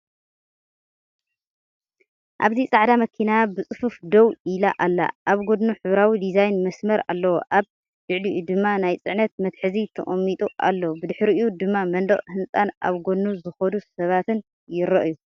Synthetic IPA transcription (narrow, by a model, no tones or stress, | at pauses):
ʔaβzit͡sʼaʕd̪amɐkʰinabɨt͡sʼɨfufd̪owilaʔalːa̰ʔaβɡod̪nuħɨβɾawid̪izajnmɐsmɐɾa̰lːɐwoʔaβ | jɨʕliʔud̪ɨmːanajt͡sʼɨʕnɐt̪̚mɐt̪ħɨzit̪ʰɐ̰χʼɐmːit̪ʼuʔa̰lːɐwubɨd̪ɨħɾiɨjud̪ɨmːamɐnd̪ɐχʼhɨnt͡sʼanʔa̰βɡo̞d̪nuzɨxɐd̪usɐβat̪ɨn | jɪɾɐʔju